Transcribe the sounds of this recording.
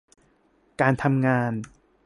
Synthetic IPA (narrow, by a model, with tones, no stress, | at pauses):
kaː˧nt̪ʰa˧mŋaː˧n